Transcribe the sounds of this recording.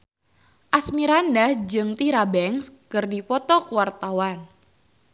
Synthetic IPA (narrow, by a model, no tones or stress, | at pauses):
ʔasmiɾandad͡ʒɨŋt̪iɾabɛŋskɨrdipɔt̪ɔkuwart̪awan